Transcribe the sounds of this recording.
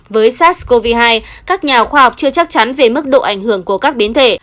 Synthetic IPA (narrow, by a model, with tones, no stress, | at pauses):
vəː˨˦jsaː˦˥t̚sko˧vi˧ɦaː˧jkaː˦˥k̚ɲaː˨˩xwaː˧ha˨˩wk͡p̚t͡ɕɨ˧ət͡ɕa˦˥k̚t͡ɕa˨˦nve˨˩mɨ˦˥k̚ɗo̰˧˨ʔa˧˩jŋ̟hɨ˧˩əŋku˧˩əkaː˦˥k̚ɓi˨˦nt̪ʰḛ˧˩˨